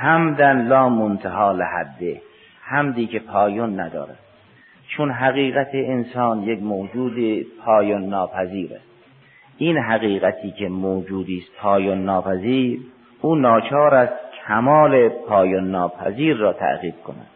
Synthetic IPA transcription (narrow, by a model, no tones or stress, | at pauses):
hæmd̪ænlɒːmont̪ʰeɦɒːlehæ̰d̪ːe | hæmd̪iːkʰe̞pʰɒːjonːæd̪ɒ̰ːɾæ̰d̪̥ | t͡ʃʰonɦæɣiːɣæt̪ʰeːnsɒːnjekmoːd͡ʒuːd̪ipʰɒːjonːɒːpʰæziːɾæ̰st̪ | ʔinɦæɣiːɣæt̪ʰiːkʰe̞moːd͡ʒuːd̪iːst̪pʰɒːjonːɒːpʰæziːɾ | uːnɒːt͡ʃʰɒːɾæst̪cʰæmɒːlepʰɒːjonːɒːpʰæ̰ziːɾːɒːt̪ʰæ̰ɣiːb̥̚kʰonæ̰d̪̥